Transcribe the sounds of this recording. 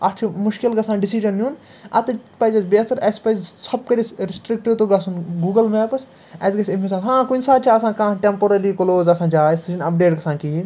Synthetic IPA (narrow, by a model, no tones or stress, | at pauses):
ɐt͡ʃʰumʊʃkilɡɐsãːɖisid͡ʒɐnːjun | ɐ̰t̪ɨpɐzɐsbet̪ʰɐɾɐspɐzsɐb̚kɐɾʲisɾɪsʈɾikʈit̪oɡɐsʰunɡuːɡɐlmeːpɐs | ɐzɡɐsimʲisaːb̪ɦãːkunʲsaːd̪̚t͡ʃʰaːɐsãːkãːʈempoɾɐlikoloːzɐsãːd͡ʒaːsid͡ʒɐnɐp̚ɖeːʈɡɐsãːnkiɦin